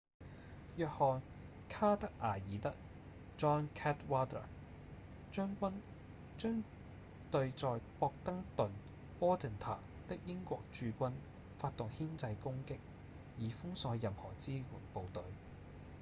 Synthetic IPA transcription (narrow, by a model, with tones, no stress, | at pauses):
jœː˨k̚hɔː˨n | kʰaː˥t̪ɐ˥k̚ʔaː˨˩jiː˨˥t̪ɐ˥k̚ | t͡ʃɔː˥ŋkʰɛː˥t̚waː˥t̪ə̰˨˩ | t͡ʃœː˥ŋkʷɐ˥n | t͡ʃœː˥ŋ | t̪ɵ˧ɥt͡sɔː˨˧jpɔː˧k̚t̪ɐ˥ŋt̪ɵ˨n | pɔː˥t̪ʰɛ˨nt̪ʰa̰ː˨˩ | t̪ɪ˥k̚jɪ˥ŋkʷɔː˧k̚t͡ʃyː˧kʷɐ˥n | faː˧t̚t̪ʊ˨ŋhiː˥nt͡sɐ˧jkʊ˥ŋkɪ˥k̚ | jiː˨˥fʊ˥ŋsɔː˨˧jjɐ˨mhɔː˨˩t͡siː˥wṵː˨˩npo˨wt̪ɵ˨˥ɥ